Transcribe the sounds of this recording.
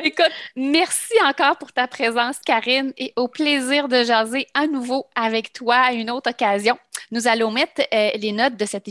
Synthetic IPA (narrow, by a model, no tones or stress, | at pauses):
ekʊt̪mɛʁsiɑ̃kɑːʁpuʁt̪apχezɑ̃skʲaʁɪneʔopleziːʁd̪əʒɑːzeanuvoavɛkt̪waːynɔt̪χɔkazjɔ̃nuzalɔ̃mɛt̪lenɔt̪̚d̪əsɛt̪